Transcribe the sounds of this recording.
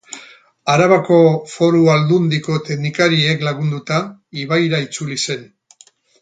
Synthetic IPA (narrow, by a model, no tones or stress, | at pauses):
aɾaβako̞fo̞ɾuald̪und̪iko̞t̪eknikaɾie̞klaɣ̞und̪ut̪aiβajɾait͡sulise̞n